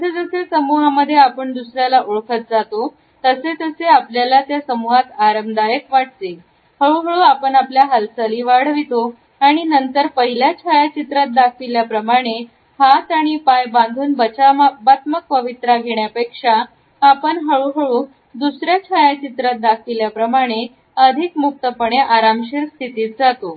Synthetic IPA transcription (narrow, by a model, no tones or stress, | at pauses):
əsed͡zəsesəmuɦaməd̪ʱːjeapəɳd̪usɾjalaʔoɭkʰət̪̚d͡zat̪o | t̪əset̪əseapljalat̪jasəmuɦat̪aɾəmd̪ajəkʋaʈ̚t̪e | həɭuɦəɭuapəɳapljaɦəlsəliːʋaɽ̤ʋit̪o | aɽ̃inənt̪əɾpəɦiljat͡ɕʰajat͡ɕit̪ɾat̪̚d̪akʰʋiljapɾəmaɽ̃e | hat̪aɽ̃ipajbãnd̪ʱuːnbət͡ɕabat̪mək̚pəʋit̪ɾaɡʱeɳjapekʂaː | pəɳɦəɭuɦəɭuː | d̪usɾjat͡ɕʰajat͡ɕit̪ɾat̪̚d̪akʰʋiljapɾəmaɽ̃e | əd̪ʱikmuk̚t̪əpəɳ̃eʔaɾamɕiɾst̪ʰit̪iːt̪̚d͡zat̪o